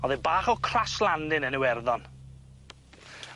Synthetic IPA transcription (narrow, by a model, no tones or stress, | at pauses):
ɔðɛbaːχɔkʰraslˠandɪnənɪwɛrðɔn